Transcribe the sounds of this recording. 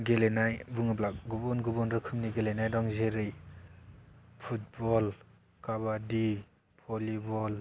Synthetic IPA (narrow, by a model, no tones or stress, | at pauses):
ɡelenajbuŋɯplak̚ɡubɔnɡubɔnɾɯkʰɯmniɡelenajdɔŋzeɾɯj | pʰut̚bɔl | kabadi | pʰɔlibɔl